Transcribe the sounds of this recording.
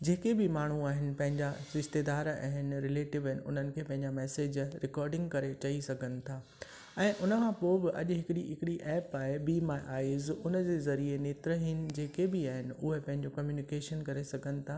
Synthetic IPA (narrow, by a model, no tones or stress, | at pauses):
d͡ʑeːkebɪmaːɳ̤uaːɦɪnɪ̆pɐ̃ɦɪ̃ɲd͡ʑasɪʃt̪ed̪aːɾa̰ːɦɪnɪ̆ɾɪleːʈɪʋɐɦɪnɪ̆ʊ̰n̤ənɪ̆kʰeːpɐ̃ɦɪ̃ɲd͡ʑamɛːseːd͡ʑɾɪkɔːɾɖɪ̃ŋɡkɐɾet͡ɕɐisɐɡʱənɪ̆t̪ʰaː | ɛ̃ːʔʊnəkʰãːpoːbɪʔɐ̰ʄɦɪkɪɽiɦɪkɪɽiʔɛːpaːɦebimãʔaːizʊnəd͡ʑeːzɐɾieneːt̪ɾəɦɪnɪ̆d͡ʑeːkebɪaːɦɪnɪ̆ʊɦepɐ̃ɦɪ̃ɲd͡ʑokɐmjuːnɪkeːʃənkɐɾesɐɡʱənɪ̆t̪ʰaː